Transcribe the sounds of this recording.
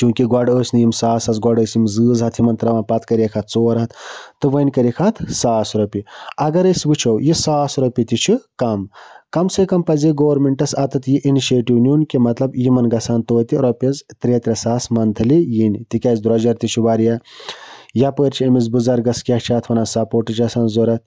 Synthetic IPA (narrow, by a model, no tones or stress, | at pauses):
t͡ʃũːkiɡwɐɖəːsʲnɨjimsaːsɐzɡwɐɖəːsjimzɨːzɦɐt̪ʰjimɐnt̪ɾɐʋaːnpɐt̪kɐɾjɐkʰɐt̪̚ʰt͡soːɾɦɐt̪t̪ːɨʋɐnʲkɐɾikʰɐt̪ʰsaːsɾɐpiɐɡɐɾəsʲʋɨt͡ʃʰowjisaːsɾɐpit̪it͡ʃʰikɐmkɐmsekɐmpɐziɡoːʋɐɾmeɳʈɐsɐt̪ɨt̪ʰjiʔiniʃeːʈiwnunkemɐt̪lɐbjimɐnɡɐsaːnt̪oːt̪iɾɔpʲɐzt̪ɾʲet̪ɾʲɐsaːsmɐnt̪ʰɨlijinʲt̪ikʲɐːzd̪ɾɔd͡ʒɐɾt̪it͡ʃʰiʋaːɾja | japəɾt͡ʃʰiɐmizbɨzɐɾɡɐskʲɐkt͡ʃʰaːt̪ʰʋɐnasɐpoːʈɨt͡ʃʰɐsaːnzoːɾɐt̪̚